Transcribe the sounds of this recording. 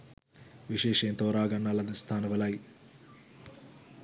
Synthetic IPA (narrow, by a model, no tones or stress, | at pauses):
ʋiʂeːʂɐjɐmt̪oːɾaːɡɐnːɐɭɐd̪ist̪ʰaːnɐʋɐlaji